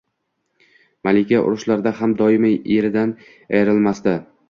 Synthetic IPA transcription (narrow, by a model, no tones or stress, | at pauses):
malɪkʲaʔʊ̰ɾʊʃlaɾd̪ahamd̪ɒɪmaeɾɪd̪an | a̰jɾɪlˠmast̪ɪ